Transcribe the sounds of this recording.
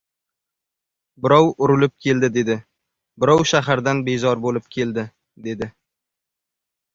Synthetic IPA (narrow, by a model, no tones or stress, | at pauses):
bɪɾɒwʊɾɪlɪp̚kʲʰe̞ld̪ɪd̪e̞d̪ɪ | bɪɾɒwʃaɦaɾd̪anbe̞zɒɾbolɪp̚kʲʰe̞ld̪ɪ | d̪e̞d̪ɪ